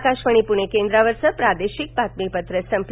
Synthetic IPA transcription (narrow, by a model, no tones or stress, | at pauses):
kaʃʋəɳ̃ipuɽ̃ekend̪ɾaʋəɾsəpɾad̪eɕik̚bat̪̚mipət̪ɾəsəmp